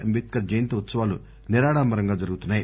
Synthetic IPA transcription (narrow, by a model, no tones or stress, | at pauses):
ɐmbiːt̪̚kɐɾd͡ʒɐjɐnt̪ɐʋut̪sɐʋaːlu | niɾaːɽaːmbɐɾɐŋɡaːd͡ʒɐɾɡut̪unːaːji